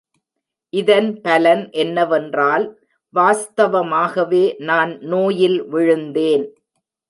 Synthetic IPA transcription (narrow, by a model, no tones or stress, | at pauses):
ʔɪðɐnpɐlɐnʔɛnːɐʋɛndraːl | ʋaːst̪ɐʋɐmaːɣɐʋeːnaːnnoːjɪlʋɪɻɯnd̪eːn